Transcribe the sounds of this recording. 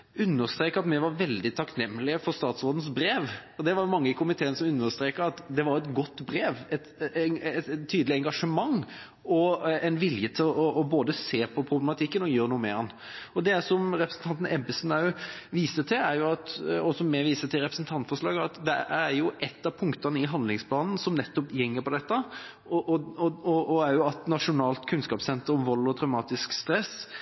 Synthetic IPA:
ʉnːəɾst̪ɾeːkəɾɑt̪mɛʋɑɾʋɛld̪ɪt̪ʰɑknɛmːlɪəfɔɾst̪ɑːt̪sɾoːd̪n̩sbɾeːʋɔd̪ɛʋɑɾjʊmɑŋːəɪkʰʊmɪt̪ʰeːənəsɔmʉnːəst̪ɾeːkəɾɑt̪d̪ɛʋɑɾɛt̪ɡɔt̪ːbɾeːʋɛt̪ɛt̪ʰːyːd̪lɪɛŋɡɑʂəmɑŋː | ɔɛnʋɪljət̪ʰɪlɔʔːboːd̪əseːpʰɔpʰɾʊblɛmɑt̪ʰɪkːənɔjøːɾnuːəmḛːɾɑn | ɔd̪ɛsɔmɾɛpɾəsn̩t̪ʰɑnt̪ən̩ɛbɪsnæʋiːsət̪ʰɪlæɾjʊɑt̪ɔsɔmːɛʋiːsət̪ʰɪlɾɛpɾəsnt̪ʰɑnt̪fɔʂlɑ̰ːɡəɑt̪d̪ɛæɾjʊʔɛt̪ːɑpʰʊŋkt̪ənəɪɦɑnd̪lɪŋspʰlɑːnn̩sɔmnɛt̪ːɔpjɛŋːəpɔd̪ɛt̪ːə | ɔʔɔɔɔʔɔæɾjʊɑt̪nɑʂʊnɑːlt̪kʰʉnskɑːpsɛnt̪əɾɔmʋɔlːɔt̪ʰɾɑʉmɑːt̪ɪskst̪ɾɛs

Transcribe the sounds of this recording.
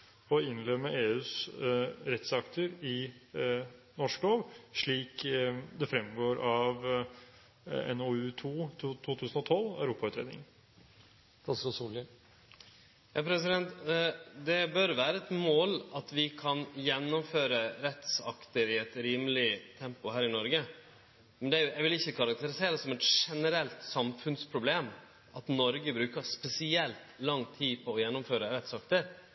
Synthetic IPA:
ɔɪnlɛːməʔeːʉːs | ɾɛt̪sɑkt̪əɾɪ | nɔʂkloːʋʂɭiːkd̪ɛfɾɛmɡoːɾʔɑʋ | ɛ̰noʉt̪ʰuːt̪ʰːt̪ʰuːt̪ʰʉːsənɔt̪ʰɔlæ̰ʉɾuːpɑʉt̪ɾeːd̪ɪ̰ŋn | t̪ʰɑsɔsuːlə | jɑːpʰɾɛsɪd̪ɛnt̪d̪ɛbœɾʋæːɾəɛt̪moːlɑt̪ʋɪkʰɑnjɛnːʊmføːɾəɾɛt̪sɑkt̪əɾɪɛt̪ɾiːməlɪt̪ʰɛmpʊɦæːɾɪnɔɾɡə | mɛnd̪ɛæɾjʊɛʋɪlɪçːəkʰɑɾɑk̚t̪əɾɪseːɾsɔmɛt̪ʂɛnəɾɛlt̪sɑmfʉnspʰɾʊbleːm | ʔɑt̪nɔɾɡəbɾʉːkəspɛsɪɛlt̪lɑŋt̪ʰiːpʰɔːjɛnːʊmføːɾəɾɛt̪sɑkt̪əɾ

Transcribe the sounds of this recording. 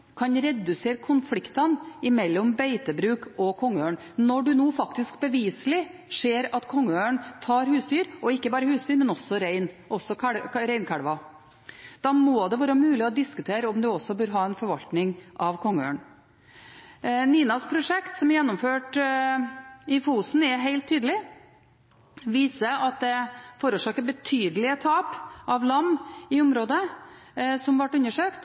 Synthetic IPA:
kʰɑnɾɛd̪ʉseːɾəkʰʊnflɪkt̪ɑnɪmɛlːɔmbæɪt̪əbɾʉːkɔkʰɔŋːəøːəɳ | nɔɖʉnuːfɑkt̪ɪskbəʋiːslɪʂeːɾɑt̪kʰɔŋːəøːəɳt̪ʰɑːɾhʉːst̪yːɾɔɪkːəbɑːɾəhʉːst̪ʰyːɾmɛnɔsːɔɾæɪn | ʔɔsːɔɾæɪnkʰæɽʋɑ | d̪̥ɑːmoːd̪ɛʋæːɾəmʉːlɪɔd̪ɪskʉt̪ʰeːɾəɔmd̪ʉɔsːɔbøːɾɦɑːɛnfɔɾʋɑlt̪nɪŋʔɑʋkʰɔŋːəø̰ːɳ | niːnɑspʰɾʊʂɛkt̪sɔmɛɾjɛnːɔmføːʈ | ɪfuːsn̩ɛɦæɪlt̪ʰːyːd̪əlɪ | ʋiːsəɑt̪̚d̪ɛfoːɾʉʂɑːkəɾbət̪ʰyːd̪əlɪət̪ʰɑːpʔɑʋlɑmːɪʊmɾoːd̪ə | sɔmʋɑʈːʉnːəʂøːkt̪

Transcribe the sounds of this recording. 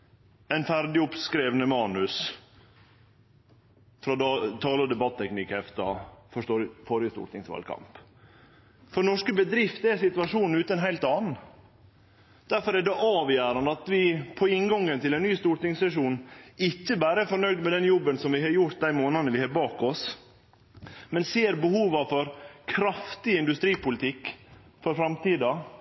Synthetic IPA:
ɛɪnfæɾɖɪʊpskɾeːʋnəmɑːnʉs | fɾɑd̪t̪ʰɑːləd̪ɛbɑt̪ʰːɛknɪkɛft̪ɑ̰fɔʂtoːɾfɔɾjəst̪ṵːʈ̪ɪŋsʋɑ̰lkʰɑ̰mp | fɔɳɔʂkəbəd̪ɾɪft̪ɛɾsɪt̪ʉʋɑʂuːnn̩ʉːt̪əɛnɦæɪlt̪ɑːnn̩ | d̪̥æɾfɔɾæɖɛʔɑːʋjæːɾɑnd̪əɑt̪ʋɪpʰɔɪnɡɔŋːənt̪ɪlɛnːyːst̪uːɾʈ̪ɪŋsɾɛʂ̬uːnɪtːəbæːɾəɛfɔɾɳœʏd̪mɛd̪ɛnjɔbːənsɔmʋɪɦɑɾjʊɾt̪̚d̪æɪmoːnɑnəʋɪhɑɾbɑːkɔs | mɛnseːɾbəhuːʋɑfɔɾkʰɾɑft̪ɪɪnd̪ʉst̪ɾiːpʊlɪt̪ʰɪkː | fɔɾfɾɑmt̪iːd̪ɑ

